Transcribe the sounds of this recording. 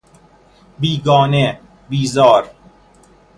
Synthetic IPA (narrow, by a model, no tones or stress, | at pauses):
biːɡɔːne | biːzɒːɾ